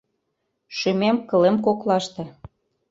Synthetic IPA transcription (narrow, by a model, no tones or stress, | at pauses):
ʃymemkɤ̆lemkoklɑʃt̪ɤ̆